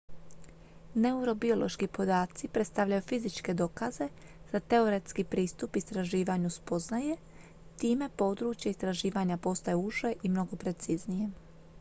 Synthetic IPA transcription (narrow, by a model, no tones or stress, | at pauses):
ne̞uɾo̞bio̞lo̞ʃkipo̞d̪aːt̪sipɾe̞t̪st̪aʋʎajufizit͡ʃke̞d̪o̞ːkaze̞ | z̥at̪e̞oɾe̞t̪skipɾiːst̪upist̪ɾaʒiːʋaɲuspo̞znaje̞ | t̪iːme̞po̞d̪ɾuːt͡ʃjaist̪ɾaʒiːʋaɲapo̞st̪ajeuʒe̞ʔimno̞ɡo̞pɾe̞t̪siznije̞